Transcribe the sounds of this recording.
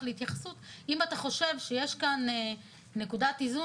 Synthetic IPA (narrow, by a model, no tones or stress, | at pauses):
leitjaχasut̪imat̪aχo̞ʃe̞vʃejeʃkaneː | ekudatizu